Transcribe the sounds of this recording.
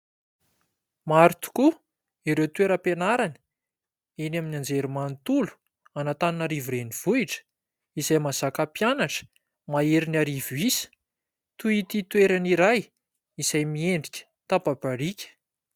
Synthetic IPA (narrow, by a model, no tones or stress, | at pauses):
maɾit̪u̥ku | iɾewt̪uweɾəpenaɾani̥ | enaminand͡zeɾimant̪ulu̥ | anat̪aninaɾivuɾeniv̥uiʈ͡ʂə̥ | izajmaz̥akapjanaʈ͡ʂə̥ | maeɾinaɾivuisə̥ | t̪uit̪it̪weɾaniɾaj | izajmieɳɖ͡ʐikʲə̥ | t̪apabaɾikʲə̥